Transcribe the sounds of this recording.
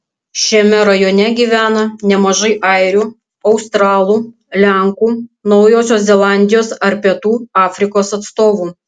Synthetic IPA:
ʃʲɛmʲɛɾɐjoːnʲɛɡʲiːʋʲæːnɐnʲɛmɐʒɐɪʔɐɪɾʲuː | ɐʊst̪ɾɑːlˠuː | lʲæˑŋkuːnɒʊjoːsʲoːszʲɛlˠɑˑnʲd̪ʲɪjoːsɐɾpʲɛt̪uːɑːfʲɾʲɪkoːsɐt̪st̪oːʋuː

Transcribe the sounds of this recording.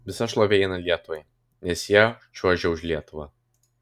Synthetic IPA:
ʋʲɪsɐʃlˠoːʋʲeːɪnɐlʲiɛt̪ʊʋɐɪ | nʲɛsjɛʒuɔʒʲɛʊʃʲlʲiɛt̪ʊʋɐ

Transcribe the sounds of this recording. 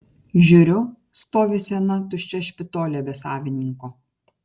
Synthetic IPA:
ʒʲʊɾʲʊ | st̪oːʋʲɪsʲɛnɐt̪ʊʃʲt͡ʃʲɛʃʲpʲɪt̪oːlʲɛbʲɛsɑːʋʲɪnʲɪŋkoː

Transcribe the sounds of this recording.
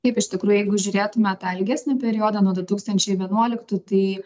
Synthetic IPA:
kɐɪpɪʃʲt̪ʲɪkɾuːjʊjɛɪɡʊʒʲʊɾʲeːt̪ʊmʲɛt̪ɑɛlʲɡʲæsʲnʲɪpʲɛɾʲɪjoːd̪ɐnuɔd̪ʊt̪uːkst̪ɐnʲt͡ʃʲɛɪʋʲiɛnuɔlʲɪkt̪uːt̪ɐɪ

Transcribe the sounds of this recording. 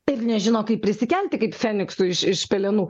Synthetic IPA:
ɪrnʲɛʒʲɪnoːkɐɪp̚pʲɾʲɪsʲɪkʲɛlʲt̪ʲɪkɐɪpfʲɛːnʲɪksʊɪʃɪʃpʲɛlʲɛnuː

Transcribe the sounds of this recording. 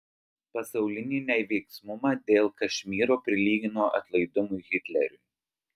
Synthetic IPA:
pɐsɒʊlʲɪnʲinʲɛɪʋʲɛɪksmʊmɑd̪ʲeːlˠkɐʃʲmʲiːɾoːpʲɾʲɪlʲiːɡʲɪnoːʔɐ̰t̪lˠɐɪd̪ʊmʊjɣʲɪt̪ʲlʲɛ̰ɾʲʊ̰ːˑ

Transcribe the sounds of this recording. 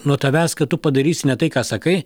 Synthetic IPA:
nuɔt̪ɐʋʲæːskɐtt̪ʊpɐd̪ɐɾʲiːsʲɪnʲɛt̪ɐɪkaːsɐkɐɪ

